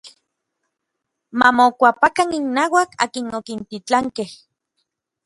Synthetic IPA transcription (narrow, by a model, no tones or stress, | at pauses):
mamokʷapakaninːaːwaka̰ːkinokint̪it͡ɬaŋkeh